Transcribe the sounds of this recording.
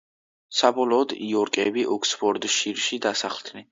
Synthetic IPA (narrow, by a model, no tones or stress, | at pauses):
sabɔlˠɔːd̪iɔɾkʼɛbiʔɔkʰspʰɔɾd̪ʃiɾʃid̪asaχlˠd̪̥nɛ